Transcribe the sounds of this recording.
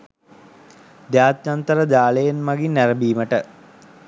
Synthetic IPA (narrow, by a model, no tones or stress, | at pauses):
d̪jaːt̪jant̪əɾəd̪aːlejenmaɡinːæɾəbiːməʈə